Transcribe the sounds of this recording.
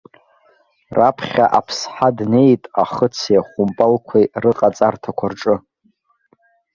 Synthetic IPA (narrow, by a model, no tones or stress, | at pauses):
rapʰχʲaʔapʰsħadne̞jtʼaχət͡sʰjaχʷʊmpʼalkʷʰejrɨqʼat͡sʼartʰakʷʰarʈ͡ʂʼɨ